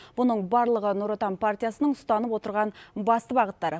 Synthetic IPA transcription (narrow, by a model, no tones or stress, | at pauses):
b̥ʊnəɴbɑɾlˠəʁənuɾot̪ɑnpʰart̪ʲijasənəɴʊst̪ɑnəpwo̞t̪əɾʁɑnbɑst̪əbɑʁət̪ːɑɾə